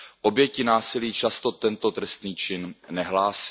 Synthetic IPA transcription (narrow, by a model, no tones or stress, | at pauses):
ʔo̞bjɛcɪnaːsɪliːt͡ʃast̪ot̪ɛnt̪o̞t̪ɾɛst̪niːt͡ʃɪnːɛɦlaːs